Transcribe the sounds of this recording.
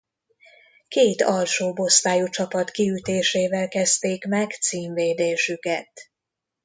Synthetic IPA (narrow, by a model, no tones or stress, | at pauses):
keːt̪ɒlʃoːbo̞st̪aːjut͡ʃɒpɒt̪kiyt̪eːʃeːvɛlkɛzt̪eːkmɛɡt̪siːɱveːd̪eːʃykɛt̪